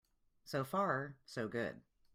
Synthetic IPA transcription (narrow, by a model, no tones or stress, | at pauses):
soʊfɑɹsoʊɡʊ̰d̥̚